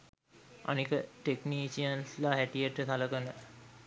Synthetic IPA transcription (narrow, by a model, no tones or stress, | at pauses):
a̰nikəʈekniːsiənslaɦæʈijəʈət̪aləkənə